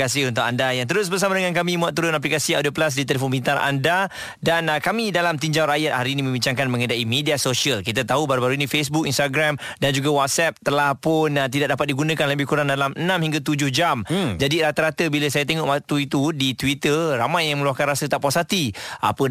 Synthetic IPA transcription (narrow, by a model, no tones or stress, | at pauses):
kasiunt̪ʊkandajaŋt̪̬əɾʊs̬bərs̬amadəŋãnkamĩmuaʔt̪uɾʊnap̬likasiadəplas̬dit̪̬elefonbint̪aɾʔa̰nda | dankamidalamt̪iɲd͡ʒawɾajat̪̚haɾinimə̃mbiɲt͡ʃaŋkanmə̃ŋədaʔimediasosiəlkit̪at̪aɦubaɾubaɾuinĩfesbʊk̚inst̪aɡɾam | dand͡ʒuɡawat̪̚sɛp̚t̪əlahpʊnt̪̬idaʔ̚dapat̪̚diɡunə̃kanləbɪhkuɾaŋdalamənãmhiŋɡat̪ud͡ʒʊhd͡ʒamd͡ʒadiɾat̪əɾat̪əbiləsajat̪eŋɔʔmat̪uit̪udit̪wit̪əramãjːaŋməluahkanrasət̪aʔpasat̪iʔa̰pə